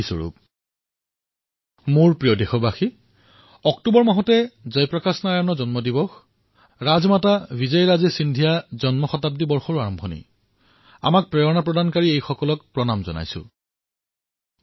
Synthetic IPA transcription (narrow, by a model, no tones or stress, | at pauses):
isɔ̰ɹṵp̚ | moɹpɹijɔdexɔbaxi | ɔktubɔɹmaɦɔtɛzɔjpɹɔkasnaɹanɔzɔnmɔdibɔx | ɹazmatabizɔjɹazɛsindʱijazɔnmɔxɔtab̚dibɔɹxɔɹaɹɔmbʱɔnḛj | a̰mak̚pɹɛɔnapɹɔdankaɹiejxɔkɔlɔkpɹɔnamzɔ̰na̰jsʊ̰̃